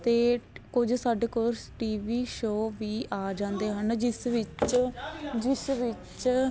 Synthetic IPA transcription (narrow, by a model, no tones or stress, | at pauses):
t̪eːkʊd͡ʒsaɖkʊɾsʈiːʋiːʃoːʋiːʔaːd͡ʒãːnd̪eːɦənd͡ʒɪsʋɪt͡ʃ | d͡ʒɪsʋɪt͡ʃ